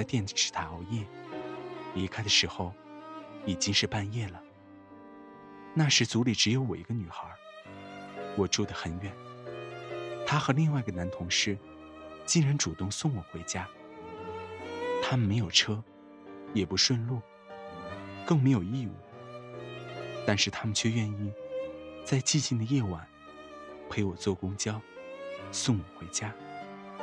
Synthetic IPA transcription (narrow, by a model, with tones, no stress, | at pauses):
t͡sa˥˧ɪt̪jɛ˥˩nʈ͡ʂʰɻ̩˥˩t̪ʰa˧˥o˧˥˧jɛ˥˩ | li˧˥kʰa˥ɪd̪ə˨ʂɻ̩˧˥xo˧ʊ | i˨˩t͡ɕi˥ŋʂɻ̩˥˧pa˥˧njɛ˥˩lə˩ | na˥˩ʂɻ̩˧˥t͡su˧˥li˨˩ʈ͡ʂɻ̩˧˥jo˧˥ʊwɔ˨˩i˧˥ɡə˧ny˨˩xə˧˥ | wɔ˨˩ʈ͡ʂu˥˩d̪ə˩xə˨˩nɥɛ˨˩n | t̪ʰa˥xɤ˧˥li˥˧ŋwa˥˩ɪɡə˩na˧˥nt̪ʰʊ˧˥ŋʂɻ̩˥˩ | t͡ɕi˥˩ŋɻa˧˥nʈ͡ʂu˨˩t̪ʊ˥˧ŋsʊ˥˩ŋwɔ˨˩xwe˧˥ɪt͡ɕja˥ | t̪ʰa˥mə˨nme˧˥ɪjo˨˩ʊʈ͡ʂʰɤ˥ | jɛ˨˩pu˧˥ʂwə˥˧nlu˥˩ | kɤ˥˩ŋme˧˥ɪjo˨˩ʊi˥˧ṵ˥˩ | t̪a˥˧nʂɻ̩˥˧t̪ʰa˥mə˨nt͡ɕʰɥɛ˥˧ɥɛ˥˧ni˥˧ | t͡sa˥˧ɪt͡ɕi˥˧t͡ɕi˥˩nd̪ə˩jɛ˥˩wa˨˩˦n | pʰe˧˥ɪwɔ˨˩t͡swɔ˥˩kʊ˥ŋt͡ɕjɑ˥ʊ | sʊ˥˩ŋwɔ˨˩xwe˧˥ɪt͡ɕja˥